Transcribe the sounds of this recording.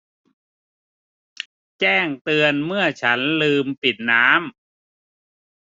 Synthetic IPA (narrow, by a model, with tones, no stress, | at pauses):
t͡ɕɛː˥˩ŋt̪ɯ˧ənmɯ˥˩ɐt͡ɕʰa˦˥nlɯː˧mpi˨˩t̪̚naː˦˥m